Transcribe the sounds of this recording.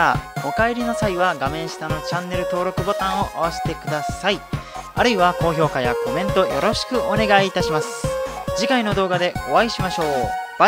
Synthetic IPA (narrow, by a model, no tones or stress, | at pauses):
o̞kaeɾʲino̞saiβaɡamẽ̞ɰ̃ɕi̥t̪ano̞t͡ɕãnːe̞ɾɯ̟t̪o̞ːɾo̞kɯ̟bo̞t̪ãɰ̃o̞ʔaβase̥t̪e̞kɯ̟d̪asaia̰ɾɯ̟iβako̞ːço̞ːkaja̰ko̞mẽ̞nt̪o̞jʔo̞ɾo̞ɕi̥kɯ̟ʔo̞ne̞ɡaiːt̪aɕimasɨ̥d͡ʑikaino̞d̪o̞ːɡad̪e̞o̞βaiɕimaɕo̞ːb